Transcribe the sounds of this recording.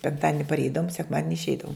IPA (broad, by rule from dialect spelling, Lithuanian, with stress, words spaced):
pʲɛŋkˈtɑːdʲɪnʲɪ pɐrʲˈɛɪdɐʋʊm sʲɛkˈmɑːdʲɪnʲɪ ɪʃʲˈɛɪdɐʋʊm